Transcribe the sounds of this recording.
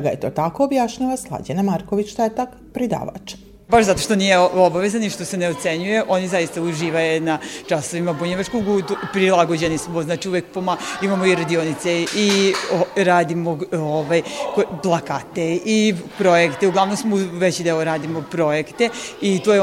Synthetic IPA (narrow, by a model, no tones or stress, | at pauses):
ɡajet̪o̞ːt̪akoːbjaʃɲaʋaslˠa̰d͡ʒenamaɾkoʋit͡ɕt̪aet̪ak | pɾid̪a̰ːʋa̰t͡ʃ | baʃzat̪oʃt̪o̞nijeobaʋezaniʃt̪o̞se̞neot̪se̞ɲuje̞ʔo̞nizaist̪auʒiːʋajunaʈ͡ʂaso̞ʋimabuɲeʋat͡ʃkoɡut̪upɾilˠaɡod͡ʑe̞nismoznaːt͡ʃiuʋjek̚pomaimamoiɾad̪ionit̪seioɾaːd̪imooʋaːjkoplˠakat̪e̞ipɾo̞jekt̪euɡlaʋnomsmoʋe̞t͡ɕid̪eoɾaːd̪imopɾo̞jekt̪e̞it̪oje